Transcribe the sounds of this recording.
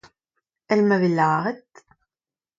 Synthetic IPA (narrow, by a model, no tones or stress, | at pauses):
ælmævəlːəʁət̪